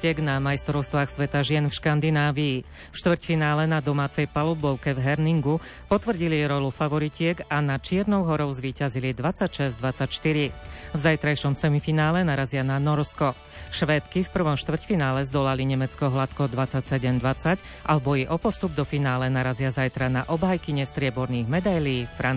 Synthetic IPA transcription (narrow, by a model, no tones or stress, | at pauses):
ɛɡnamajst̪ɾɔʊst̪ʋaːxsʋɛt̪aʒɪɛnfʃkand̪inaːʋiː | fʃt̪ʋr̩cfinaːlɛnad̪ɔmaːt͡sɛjpalubɔʊkɛvɦɛɾniŋɡu | pɔt̪ʋr̩ɟiliɾɔlufaʋɔɾicɪɛɡanat͡ʃɪɛɾnɔʊɦɔɾɔʊzʋiːcazilid̪ʋat͡sacʃɛzd̪ʋat͡sacʃt̪iɾivzajt̪ɾajʃɔmsɛmifinaːlɛnaɾazɪananɔɾskɔ | ʃʋɛt̪kifpr̩ʋɔmʃt̪ʋr̩cfinaːlɛzd̪ɔlaliɲɛmɛt͡skɔɦlat̪kɔd̪ʋat͡sacsɛɟɛmd̪ʋat͡sac | ʔalɛbɔjɛʔɔpɔst̪ubd̪ɔfinaːlɛnaɾazɪazajt̪ɾanaʔɔbɦajkiɲɛst̪ɾɪɛbɔɾniːɣmɛd̪ajliːfɾa